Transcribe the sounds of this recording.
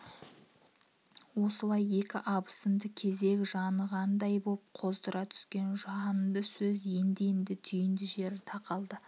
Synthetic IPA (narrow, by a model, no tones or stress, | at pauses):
wo̞səlˠɑje̞kʲɪʔɑbə̥sənd̪əkʲʰe̞ze̞kʲʒɑnəʁɑnd̪ɑjbolˠəpqʰo̞zd̪əɾɑt̪ʰʏ̥skʲe̞nʒɑnənd̪əsɵze̞nd̪ejɪnd̪ɪt̪ʰʏjɪnd̪ɪʒe̞ɾɪt̪ʰɑqɑlˠd̪ə